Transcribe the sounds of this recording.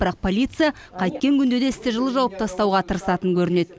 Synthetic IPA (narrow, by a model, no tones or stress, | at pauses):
bɾɑq̚pʰo̞lʲijt̪sɨja | qʰɑjt̪̚kʲe̞ŋkʲʰʏnd̪e̞d̪e̞ɪst̪ɪʒəlˠəʒɑwɑp̚t̪ɑst̪ɑwʁɑt̪ʰəɾəsɑt̪əŋkʲʰɵɾɪne̞d̪̥